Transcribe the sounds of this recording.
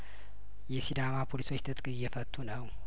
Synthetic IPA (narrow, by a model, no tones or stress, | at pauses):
jɛsid̪amapʰo̞liso̞t͡ʃːt̪ʰɨt̪ʼkʼɨjːɛfət̪ʰʼːunəw